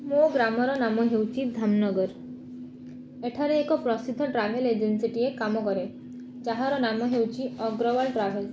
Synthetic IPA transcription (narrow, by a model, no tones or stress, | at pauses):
moɡɾamɔɾɔnamɔɦewt͡ʃʰid̪ʱamnɔɡɔɾ | eʈʰaɾeːkɔpɾɔsid̪ʱːɔʈɾabʱeled͡ʒensiʈiekamɔkɔɾe | d͡ʒaɦaɾɔnamɔɦewt͡ʃʰiɔɡɾɔbalʈɾabʱel